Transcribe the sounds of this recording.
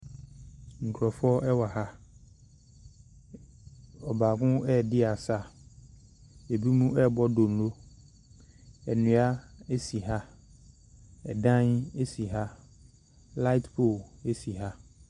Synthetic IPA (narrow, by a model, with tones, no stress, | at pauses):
ŋ̩˨kʰɔ˨fɔ˦ɛ˦wa˨ɦa˦ | ɔ˨baː˨kʊ̃˦ɛ˦˨dɪ˦a˨sa˦˨ | e˨bi˦mũ˦ʔɛ˦˨bɔ˦do˨n̩˨lo˦ | ɛ˨nũ˨˦a˦e˦si˨ɦa˦ | ɛ̰˨dã˦ne˦si˨ɦa˦ | la˦tpʰo˦˨e˦si˨ɦa˦